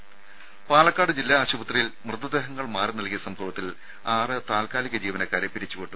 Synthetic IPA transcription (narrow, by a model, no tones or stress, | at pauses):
paːlɐkːaːɽɨd͡ʑilːaːɕubɐt̪rijilmrɨd̪ud̪eːɦɐŋːɐɭmaːrɨnɐlkijɐsɐmbʰʱoʋɐt̪ːil | aːrɨt̪aːlkaːliɣʲɐd͡ʑiːʋɐnɐkːaːɾepːiɾit͡ɕːukoʈːum